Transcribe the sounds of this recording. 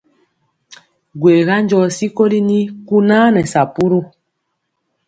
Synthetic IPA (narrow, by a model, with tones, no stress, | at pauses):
ɡwe˨ɣa˦ɲd͡ʒɔ˨si˦ko˦li˦ni˦ku˦naː˦nɛ˨sa˨pu˦ɾo˦